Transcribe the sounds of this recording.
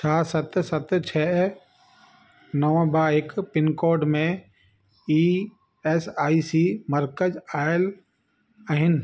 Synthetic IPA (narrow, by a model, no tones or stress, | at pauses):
t͡ʃʰaːsət̪sət̪t͡ʃʰɛː | nəʋãbaːɪkpɪnkoːɾɖmẽ | i | esaːisiːməɾkəd͡ʒaːɪl | əɦɪn